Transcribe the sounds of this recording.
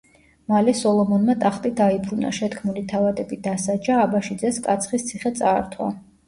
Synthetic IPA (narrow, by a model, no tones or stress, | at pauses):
malɛsɔlˠɔmɔnmat̪ʼaχt̪ʼid̪aipʰɾuna̰ʃɛt̪kʰmulit̪ʰavad̪ɛbid̪asad͡ʒaːbaʃid̪zɛskʼat̪sʰχist̪sʰiχɛt̪sʼaːɾt̪ʰwa̰